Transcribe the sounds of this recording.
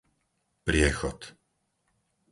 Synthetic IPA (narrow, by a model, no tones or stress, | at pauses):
pɾɪɛxɔt̪